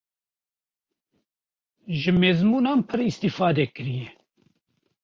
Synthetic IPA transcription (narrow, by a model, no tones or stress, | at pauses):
ʒɨmeːzmuːnɑːnpʰɨɾist̪iːfɑːd̪ɛkɨɾijɛ